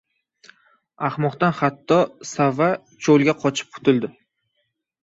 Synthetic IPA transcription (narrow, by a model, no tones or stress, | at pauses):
aχmɒqt̪anχat̪ʰːɒsava | t͡ʃʰolˠɡʲaqʰɒt͡ʃʰɪ̥p̚qʰʊ̥t̪ɪld̪ɪ